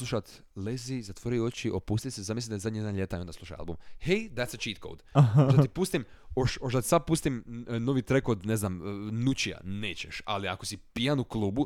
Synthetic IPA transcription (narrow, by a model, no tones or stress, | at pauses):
luʃat̪ | lezizat̪ʋoɾijot͡ʃiʔopuːst̪it̪sezamislit̪d̪azad̪ɲij̪anʎe̞t̪aio̞nd̪asluʃa̰ja̰lˠbumhejd̪ætsət͡ʃit̪̚kʰo̰lˠd̪̥oʒd̪at̪ipuːst̪im | oʃoʒd̪at̪i̥sab̚puːst̪imno̞ʋit̪ɾekod̪neznamnut͡ɕia̰neːt͡ɕeʃa̰liakosipijanuklˠuːbu